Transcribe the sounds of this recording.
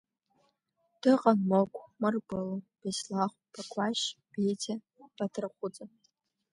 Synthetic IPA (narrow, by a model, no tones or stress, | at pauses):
d̥ɨqʼanmokʷʰʼmarɡʷɨlob̥aslaχʷb̥akʷʰʼaʃbejtʰa | b̥atʰraqʷʊt͡sʼa